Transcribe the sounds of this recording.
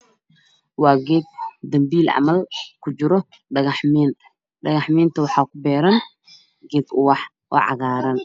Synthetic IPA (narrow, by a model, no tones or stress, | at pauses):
wɑːɡɛːd̪̚d̪ɐmbiːlʔɑ̰mɐlkʰʊt͡ʃɪɾɔ | ɖɐɣɐħmɛːnt̪ʰɐ̥ | ɖɐɣɐħmɛːnt̪ʰɐwɑħɑːkʰʊbɛːɾɐn | ɡɛːd̪ʊwɑħ | ʔɔ̰ːʕɑ̰ɣaːɾɐn